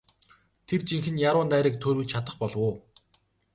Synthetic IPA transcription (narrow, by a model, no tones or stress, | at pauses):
t̪ʰert͡ɕiŋxɘ̆njaɾʊːnt̪æːɾiːk̚t̪ʰɵɾwɘt͡ɕt͡ɕʰat̪ə̆χpɔɮwʊː